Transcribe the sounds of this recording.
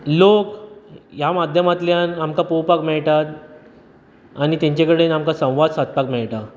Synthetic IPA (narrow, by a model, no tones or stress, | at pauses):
lokjamad̪ʱjəmat̪ljanamkapowpakmɛɭʈat̪ | añit̪ẽɲt͡ɕekəɽenamkasə̃w̃ʋad̪sat̪̚pakmɛɭʈa